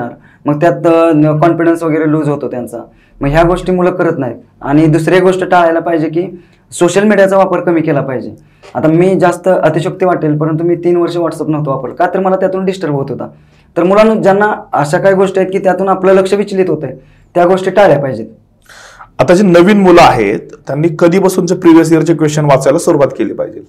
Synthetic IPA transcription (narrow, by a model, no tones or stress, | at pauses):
aɾ | məɡt̪jat̪kɔnfiɽənsʋəɡəɭɾelud͡zɦot̪ot̪jant͡sa̰ | məɡɦjaɡoʂʈiːmuləkəɾət̪naɦi | a̰ɽ̃id̪usɾeɡoʂʈəʈaɭajlapaɦid͡ʑekiː | soɕəlmiɽijat͡saʋapəɾkəmiːkelapaɦid͡ʑe | at̪amiːd͡zast̪əʔət̪iɕək̚t̪iːʋaʈelpəɾənt̪̬umiːt̪iːnʋəɾʂeʋaʈsəpnəɦt̪oʋapəɾlkajt̪əɾməlat̪jat̪uːnɖisʈəɾpɦot̪ɦot̪a̰ | t̪əɾmulanud͡ʑjanːaəɕakaɦiɡoʂʈiaɦet̪̚kiːt̪jat̪uːnaplələkʂəʋit͡ɕliːt̪ɦot̪əj | t̪jaɡoʂʈiːʈaɭɭjapaɦid͡ʑet̪ | at̪ad͡ʑenəʋiːnmulaɦet̪ːjanːiːkəd̪ʱiːpasuːnt͡səpɾiʋijəs̬ijəɾt͡ɕekʋest͡ɕənʋat͡sajlasuɾuʋat̪keliːpa̰ɦid͡ʑe